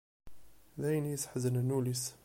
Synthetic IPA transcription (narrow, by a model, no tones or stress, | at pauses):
ðæjnisħəzənənulis